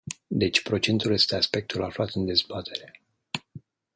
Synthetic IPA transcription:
d̪e̞t͡ʃʲpɾo̞t͡ʃe̞nt̪ulje̞st̪e̞aspe̞k̚t̪ulaflat̪ɨnd̪e̞zbat̪ʰe̞ɾe̞

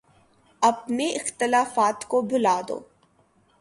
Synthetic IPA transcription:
ɐbnẽɪxt̪ɪlaːfaːt̪kobʊlaːd̪o̰ː

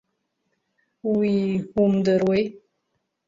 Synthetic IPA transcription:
wihumd̪əɾwej

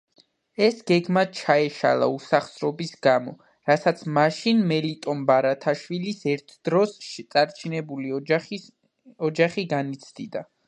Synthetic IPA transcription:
ɛsɡɛɡmat͡ʃʰaɛʃa̰lˠa̰usaχsɾɔbisɡamɔ | ɾasat̪sʰmaʃinmɛlit̪ʼɔmbaɾat̪ʰaʃwilisɛɾt̪ʰd̪̥ɾɔst̪sʼaɾt͡ʃʰinɛbuli | ɔd͡ʒaχiɡanit̪sʰd̪id̪a

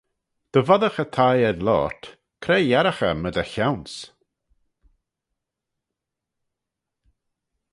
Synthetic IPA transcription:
d̪̥əvɔðəxət̪ʰajɛðlɔ̰ːɹt̪ | kʰɾejɛɾaxə̰məd̪əçawns

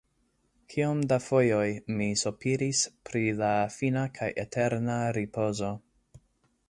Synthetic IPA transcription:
kʰiomdafo̞jo̞jmisopʰiɾispɾilafinakʰajʔḛtʰe̞ɾnaɾipʰo̞zo̞

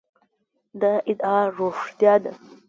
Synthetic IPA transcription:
d̪aʔid̪aroʂt̪jad̪a

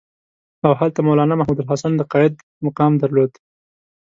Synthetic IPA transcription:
awɦalt̪amowlɑnamaɦmud̪ʊlɦɑsand̪əqɑjɪd̪ | mʊqɑmd̪aɾlod̪

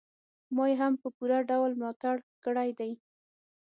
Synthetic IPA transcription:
mɑjɦampəpuɾaɖawlmlɑt̪aɽkəɽajd̪aj

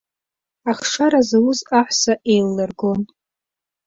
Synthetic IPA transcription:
aχʂaɾazawʊzaħʷsaʔejlːarɡon

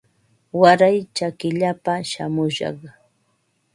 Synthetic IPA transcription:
waɾajt͡ʃakɪʎapaʃa̰mʊʃɑ̰χ

